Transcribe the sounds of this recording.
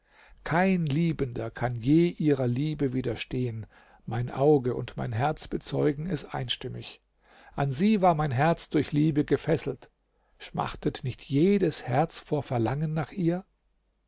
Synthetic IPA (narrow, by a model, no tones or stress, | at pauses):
kʰaɪnliːbəndɐkʰanjeːʔiːʁɐliːbəviːdɐʃteːən | maɪnʔaʊɡəʔʊ̰ntma̰ɪnɦɛɐt͡sb̥ət͡sɔʏɡŋ̩ɛstʔa̰ɪnʃtɪmɪç | ʔanziːvaːɐmaɪnɦɛɐt͡sd̥ʊɐçliːbəɡəfɛsl̩t | ʃma̰χtʰətnɪçtʰjeːdəshɛɐt͡sfoːɐfɛɐlaŋənːaːχʔiːɐ